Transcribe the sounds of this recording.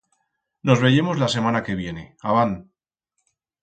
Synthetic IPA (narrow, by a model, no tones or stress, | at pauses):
no̞zβe̞ʝe̞mo̞zlase̞manake̞βje̞ne̞aβan